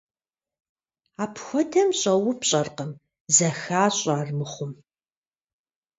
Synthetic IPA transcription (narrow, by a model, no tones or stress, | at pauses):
aːpʰxʷɔtʰɐmɕʼɐwʊpɕʼɐrqəm | zɐxaːɕʼaːrmɨχʷʊm